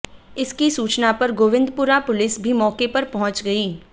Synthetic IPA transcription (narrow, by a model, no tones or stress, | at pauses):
ɪskisuːt͡ʃnapɐɾɡoːʋɪ̃nd̪puɾapʊlɪsbʱimɔːkepɐɾpɐɦʊ̃t͡ʃɡɐiː